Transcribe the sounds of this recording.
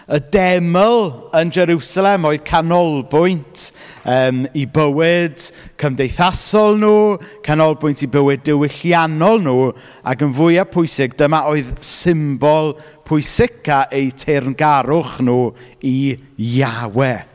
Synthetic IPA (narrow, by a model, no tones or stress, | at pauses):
ədɛməlˠənd͡ʒɛɾusalˠɛmoɨð̥kʰanɔlˠbʊjntʰ | əːmibəwɪd̥kʰəmdejθasɔlˠnuːkʰanɔlˠbʊjntʰibəwɪdɪwɪɬjanɔlˠnuː | a̰ɡənvʊɨapʰʊjsɪɡd̥əmaoːɨðsɪmbɔlˠ | pʰʊɨsɪkaʔejtʰernɡaɾʊχnuːijawɛ